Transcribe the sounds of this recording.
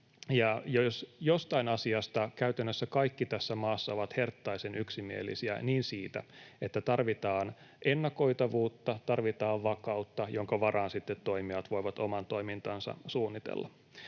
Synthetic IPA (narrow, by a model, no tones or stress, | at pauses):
jɑjosjost̪ɑinɑsiɑst̪ɑkæyt̪ænːøsːækɑikːit̪æsːæmɑːsːɑoʋɑt̪he̞rt̪ːɑisenyksimiḛlːḭsiæ̰niːnsiːt̪æ̰e̞t̪ːæt̪ɑrʋit̪ɑːn | ʔenːɑko̞it̪ɑʋuːt̪ːɑt̪ɑrʋit̪ɑːʋʋɑkɑut̪ːɑjoŋkɑʋɑrɑːnsit̪ːet̪tːo̞imiɑt̪ʋo̞iʋɑt̪o̞mɑnt̪o̞imint̪ɑnsɑ̰suːnːit̪ḛlːɑ̰